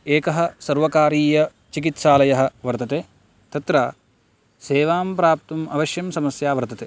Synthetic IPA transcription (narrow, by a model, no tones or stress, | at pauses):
eːkɐɦɐ̆sɐɾʋɐkaːɾiːjɐ | t͡ʃikit̪ʃaːlɐjɐɦɐ̆ʋɐɾt̪ɐt̪eː | t̪ɐt̪ɾa | seːʋaːmpɾaːp̚t̪umɐʋɐʃjɐmsɐmɐsjaːʋɐɾt̪ɐt̪eː